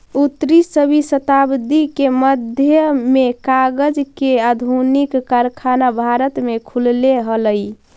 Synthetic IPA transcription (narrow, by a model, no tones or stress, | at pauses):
ut̪ɾisəbʱisət̪abd̪ikeməd̪ʱjəmekaɡəd͡ʒkead̪ʱunikːaɾkʰanabʱaɾət̪mekʰulleɦələj